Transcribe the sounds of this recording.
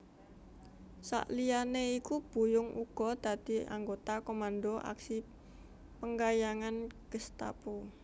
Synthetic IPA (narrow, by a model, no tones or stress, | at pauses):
sa̰ʔlijaneikub̥ṳjʊŋʔuɡ̥ɔ̤d̪̥ä̤d̪̥i̤a̰ŋɡot̪akomand̪oʔa̰ksi | pəŋɡajaŋanɡ̥əst̪a̰po